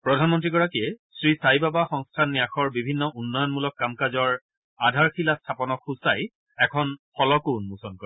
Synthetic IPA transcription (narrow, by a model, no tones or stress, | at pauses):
pɹɔdʱanmɔntɹiɡɔɹakiɛsɹisajbabaxɔŋstʰanːijaxʰɔɹbibʱinːɔʔunːɔjɔnmulɔkːamkazɔɹ | adʱaɹxʰilastʰapɔnɔkʰusaj | ɛkʰɔnxɔlɔkunmusɔnkɔɹi